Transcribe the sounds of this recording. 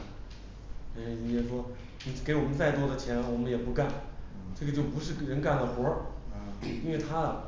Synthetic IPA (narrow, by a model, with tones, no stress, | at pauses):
ni˧˥jɛ˨˩ʂwɔ˥ | ni˨˩ke˧˥ɪwɔ˨˩mə˦nt͡sa˥˧ɪt̪wɔ˥d̪ə˨t͡ɕʰjɛ˧˥lxo˥˩wɔ˨˩ə˦jɛ˨˩pu˧˥ka˥˩nʈ͡ʂɤ˥˩ɡə˩t͡ɕjo˥˩ʊpu˧˥ʂɻ̩˥˩ɻə˧˥nka˥˩nd̪ə˩xwɔ˧˥ | i˥nwe˥˩ɪt̪ʰa˥ə˨